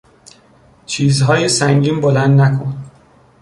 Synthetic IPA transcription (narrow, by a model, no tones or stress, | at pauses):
t͡ʃʰiːzɦɒːjesæŋɟiːnbolænd̪nækʰon